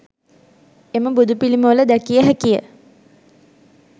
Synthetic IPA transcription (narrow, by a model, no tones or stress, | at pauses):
eməbud̪upiliməʋələd̪ækijəɦækijə̰